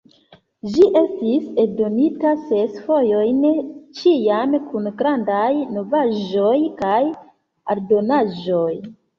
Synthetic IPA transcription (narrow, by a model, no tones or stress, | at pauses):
d͡ʒiʔe̞stisedo̞nitase̞sfo̞jo̞jnt͡ʃiamkunɡɾandajno̞vaʒo̞jkaj | aɾdo̞naʒo̞j